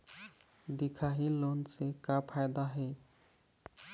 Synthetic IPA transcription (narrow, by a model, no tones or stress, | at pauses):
d̪ikʰaɦilonsekapʰajd̪aɦe